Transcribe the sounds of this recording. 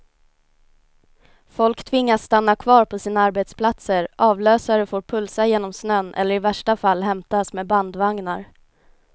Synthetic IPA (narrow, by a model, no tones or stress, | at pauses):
fɔlkt̪ʰvɪŋːasːt̪anːakʰvɑːɾpʰɔsiːnaaɾbɛt̪spʰlat̪səɾʔɑːvløːsaɾəfoːɾpʰɵlsajeːnɔmsnœnʔɛ̰lːəɾɪvæʂʈafalːɦɛmt̪asmɛːband̪vaŋnaɾ